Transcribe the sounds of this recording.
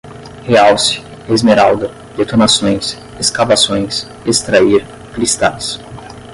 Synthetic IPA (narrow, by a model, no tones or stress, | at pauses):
heawsɪ̥ | ezmeɾawd̪ɐ | d̪et̪onasõj̃s | eskavasõj̃s | est̪ɾaiɾ | kɾist̪ajs